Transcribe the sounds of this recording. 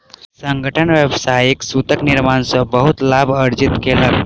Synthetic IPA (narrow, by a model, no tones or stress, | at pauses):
səŋɡəʈʰənʋjəbsajiksut̪əkniɾmansəbəɦut̪labʱəɾd͡ʒit̪kelək